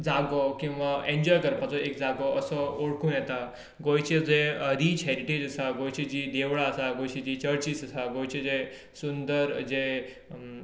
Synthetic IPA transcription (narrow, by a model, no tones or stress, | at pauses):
d͡zaɡɔkĩw̃ʋaʔeɲd͡ʑɔjkəɾpat͡sɔekd͡zaɡɔəsɔoɽkuːnjɛt̪a | ɡojt͡ɕed͡zeəɾit͡ɕʰɦeɾiʈed͡ʑəsaɡojt͡ɕed͡ʑid̪eʋɭaəsaɡojt͡ɕed͡ʑiːt͡ɕəɾt͡ɕisəsaɡojt͡ɕed͡ze | sund̪əɾd͡ze